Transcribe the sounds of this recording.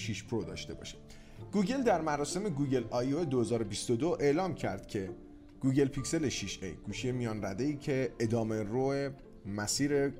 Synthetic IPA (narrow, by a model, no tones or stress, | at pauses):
ʃiʃpʰɾod̪ɒ̰ːʃt̪e̞bɒ̰ːʃe̥ | ɡ̥uːɟe̞ld̪æɾmæɾɒːse̞me̞ɡuːɟe̞lɒjoed̪o̞he̞zɒːɾobist̪od̪oʔe̞ʔlɒːmcʰæ̰ɾd̪̥cʰe̞ | ɡ̥uːɟe̞lpʰicse̞le̞ʃiʃḛjɡ̥uːʃijemijɒːnræd̪e̞iːcʰe̞ːd̪ɒːme̞roe | mæsiːɾe̞